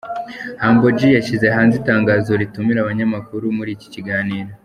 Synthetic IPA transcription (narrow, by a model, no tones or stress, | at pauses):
haːŋɡo̞d͡ʒijaʃizeɦaːnzitaːŋɡaːzoɾitumiɾaβaɲamakuɾumuɾiːci̥ciɡaːniːɾo̞